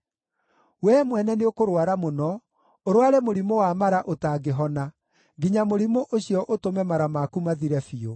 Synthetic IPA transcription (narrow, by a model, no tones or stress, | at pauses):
wɛmwɛnɛneokoɾwaɾamonɔ | oɾowaɾɛmoɾimowamaɾaʔotaɡeɦɔna | ɡiɲamoɾimoʔoɕjɔʔotomɛmaɾamakumaðiɾɛfio